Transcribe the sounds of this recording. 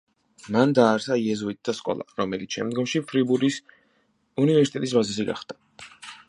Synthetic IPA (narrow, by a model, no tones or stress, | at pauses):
mand̪aːɾsaiɛzuit̪̚d̪askʼɔ̰lˠa̰ɾɔmɛlit̪sʃɛ̰md̪ɡɔmʃipʰɾibuɾis | univɛɾsit̪ɛt̪ʼis̬bazɛsiɡa̰χd̪̥a